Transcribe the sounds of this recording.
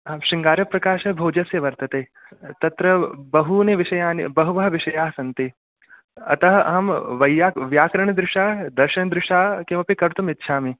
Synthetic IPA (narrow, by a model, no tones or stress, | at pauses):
ɐʃiŋɡaːɾjɐpɾɐkaːʃɐbʱoːd͡ʒɐsjɐʋɐɾt̪ɐt̪eː | t̪ɐt̪ɾɐbɐɦuneʋiʃɐjaːnḭbɐɦuʋɐɦɐʋiʃɐjaːɦsɐnt̪i | ɐ̰t̪ɐɦɐɐ̰ɦɐmʋɐjːaːʋjaːkɾɐɳ̃ɐd̪ɾɪʃaːd̪ɐɾʃɐnd̪ɾɪʃaːkĩːʋɐpikɐɾt̪umit̪ːʃʰaːmi